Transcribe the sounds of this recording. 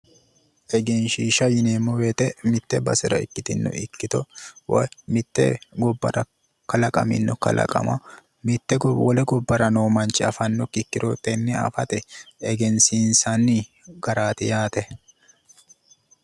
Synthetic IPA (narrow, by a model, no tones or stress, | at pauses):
ʔɛɡɛnʃiːʃɐjɪneːmːɔwet̪ʼɛmɪt̪ːɛbɐsɪɾɐ̰ɪkːɪt̪ɪnːɔ̰ɪkːɪt̪ɔwɔ̰jmɪt̪ːɛ̰ɡɔbːɐ̰ɾɐ | kɐlɐkʼɐ̰mɪ̰nːɔkɐ̰lʔɐ̰kʼɐ̰mɐ̰ | mɪt̪ːɛɡɔwɔlɛɡɔbːɐɾɐnoːmɐnt͡ʃːɪɐfɐnːɔkːɪkːɪɾot̪ʼɛnːɛɐ̰fɐt̪ɛɛɡɛnsiːnsanːi | ɡ̥ɐɾaːt̪ɪjaːt̪ɛ